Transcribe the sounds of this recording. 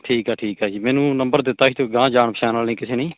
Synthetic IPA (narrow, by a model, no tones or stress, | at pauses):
ʈʰiːkɛːʈʰiːkaːd͡ʒiːmɛːnũːnəmbəɾd̪ɪt̪ːaːɦit̪õːɡãːd͡ʒaːɳpəʃʰɛːnaːlnĩːkɪseːnĩː